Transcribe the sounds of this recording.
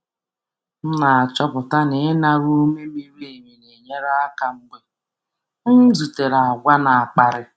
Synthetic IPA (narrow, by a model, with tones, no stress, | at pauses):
n̩˦na˨a˨t͡ʃɔ˦pʊ˨ta˦ne˨˦na˨ɾo˦me˦mi˦ɾe˦e˨ɲi˨ne˨ɲe˦ɾa˦a˦ka˨ŋ͡m̩˦ɡ͡be˦ | n̩˦zu˨te˨ɾa˨a˨ɡʷa˦na˨a˨k͡pa˨ɾɪ˦